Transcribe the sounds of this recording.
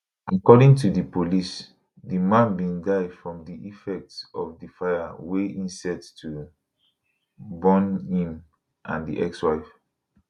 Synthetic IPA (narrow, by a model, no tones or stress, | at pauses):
ʔakɔdĩŋtʰudəpolis | dimãnbĩndaɪdfɹɔ̃mdiʔifɛk̚tsɔfdifaɪjaweʔĩnsɛttʰu | bɔ̃nĩm | ʔã̰ndḭʔɛkswaɪf